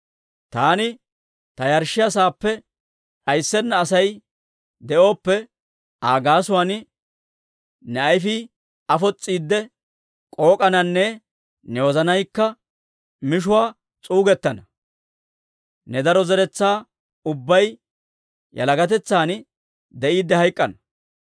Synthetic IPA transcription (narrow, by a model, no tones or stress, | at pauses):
t̪aːnɪ | t̪ɐjɐɾʃɪjɐs̬aːpːɛ | ʔɐjsːɛnːɐːsɐj | d̪ɛʔo̞ːpːɛ | ʔaːɡaːsʊwan | nɛɐjfi | ɐfɔt͡sʼːiːd̪ːɛ | kʼo̞ːkʼɐnɐnːɛ | nɛwɔzɐnɐjkːɐ | mɪʃ̬ʊwaː | t͡sʼuːɡɛt̪ːɐnɐ | nɛd̪ɐɾɔzɛɾɛt͡sːaː | ʊbːɐj | jɐ̰lɐɡɐt̪̬ɛt͡sːaːn | d̪ɛʔiːd̪ːɛhɐjkʼːɐnɐ